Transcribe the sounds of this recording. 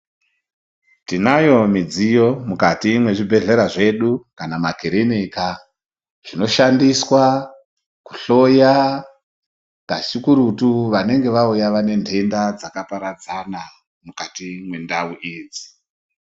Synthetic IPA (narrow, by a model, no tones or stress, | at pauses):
tinajo̞mid͡zijo̞mukatimwe̞ʐibʱe̞ɮe̞ɾaʐe̞ɗukanamakiɾemika | ʐ̥ino̞ʃandiswa | ku̥ɬo̞ja | kaʃukuɾutuʋane̞ŋɡe̞ʋaujaʋane̞ndʱe̞ndad͡zakapaɾad͡zana | mukatimwe̞ndauʔiːd͡zi̥